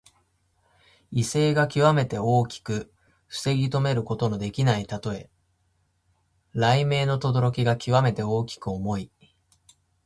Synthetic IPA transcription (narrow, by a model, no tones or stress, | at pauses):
ise̞ːɡakʲiβame̞t̪e̞o̞ːkʲi̥kɯ̟ | ɸɯ̥se̞ɡʲit̪o̞me̞ɾɯ̟ko̞t̪o̞no̞d̪e̞kʲinait̪at̪o̞e̞ | ɾaime̞ːno̞t̪o̞d̪o̞ɾo̞kʲiɡakʲiβame̞t̪e̞o̞ːkʲi̥kɯ̟o̞mo̞i